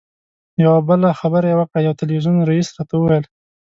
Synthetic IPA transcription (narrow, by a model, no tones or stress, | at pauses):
jawabəlaxabəɾajawaqajawt̪ɪlwiʒunɾaisɾɑt̪awəwajl